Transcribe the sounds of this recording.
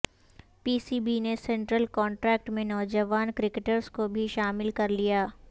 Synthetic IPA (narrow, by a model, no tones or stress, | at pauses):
piːsiːbinesẽɳʈɾəlkɔːɳʈɾɛːk̚ʈmẽnɔːd͡ʒəʋaːnkɾɪkeʈəɾskobʱiʃaːmɪlkɐɾlijaː